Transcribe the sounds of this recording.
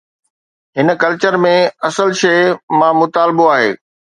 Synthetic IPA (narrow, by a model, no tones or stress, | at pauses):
ɦɪn̆kɐlt͡ɕəɾmẽɐsəlʃeːmãmʊt̪aːlɪboaːɦeː